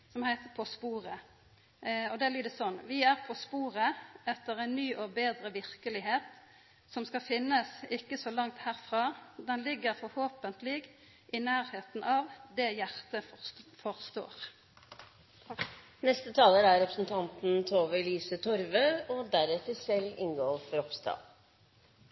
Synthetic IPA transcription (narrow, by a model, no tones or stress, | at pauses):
sɔmhæɪt̪əpʰɔspuːʁə | ɔd̪ɛæbliːd̪əsɔnːʋɪæʁpʰɔspuːʁəɛt̪ːəɾɛɪnnyːʔɔbeːd̪ɾəʋɪʁkəlɪɦeːt̪ | sɔmskɑfɪnːəsɪkːəsɔlɑŋt̪hæːʁfʁɑːd̪ɛnlɪɡːəɾfɔɾhoːpənt̪lɪɡ | ʔɪnæːʁheːt̪n̩ʔɑːʋd̪ɛjæʁt̪əfɔʁst̪o̰ːʁ | nɛst̪ət̪ʰɑːləɾæɾɾɛpɾəsnt̪ʰɑnt̪n̩t̪ʰoːʋəliːsət̪ʰɔɾʋøɔd̪æɾɛt̪əsɛlɪ̰nɡoːfɔɾɔpst̪ɑ̰ːl